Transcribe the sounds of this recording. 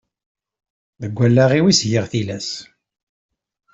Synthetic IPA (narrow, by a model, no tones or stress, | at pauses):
ðəɡʷːælːæʁiwisʝəʁθilæs